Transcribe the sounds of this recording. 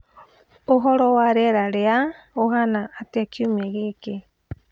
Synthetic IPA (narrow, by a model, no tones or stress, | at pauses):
oɦoɾowaɾeɾaɾea | oɦanaːt̪iakʰiumeɣike